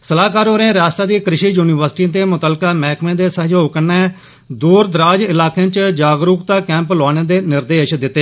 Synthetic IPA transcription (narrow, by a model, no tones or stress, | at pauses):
səlaːkaːɾoːɾẽːɾaːst̪aːd̪iːkɾɪʃiːjuːniːʋəɾsʈĩːt̪̬eːmʊt̪əlkaːmɛːkmẽːd̪eːsəd͡ʒɦoːkənɛː | d̪uːɾd̪ɾaːd͡ʒɪlaːkẽːt͡ʃd͡ʒaːɡɾuːkt̪ãːkɛ̃ːmplaːɽ̃ẽːd̪eːnɪɾd̪eːʃd̪ɪt̪ːeː